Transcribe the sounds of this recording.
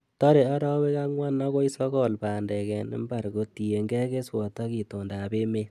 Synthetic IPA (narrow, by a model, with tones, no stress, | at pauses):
tɔ˦ɾe˨a˦ɾɔ˦we˦ka˦ŋwa˦nɔ˦ko˦i˦sɔ˦kɔ˦˨lpaː˨ndɛ˨kɛ˨nɪ̰˦mba˨ɾɡo˨ti˨e˨ŋɡɛ˦ke˦swɔ˨ta˦ki˨to˨ndaː˨be˦me˦